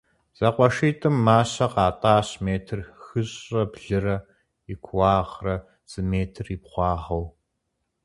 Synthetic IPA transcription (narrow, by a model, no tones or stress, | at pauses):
z̥ɐqʷɔʃiːtʼɨmːaːɕɐqɑːtʼaːɕmeːtʰɨrxɨɕʼɐbɮɨrɐ | ɪkʷʰwɑːʁrɐ | z̥ɨmeːtʰɨripχʷɑːʁɐw